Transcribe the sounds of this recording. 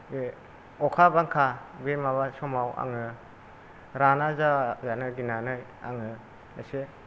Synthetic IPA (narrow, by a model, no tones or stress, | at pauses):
ɔkʰabaŋkʰabemaβasɔmawa̰ŋɯ | ɾanazazanɯɡinanɯj | a̰ŋɯ | lase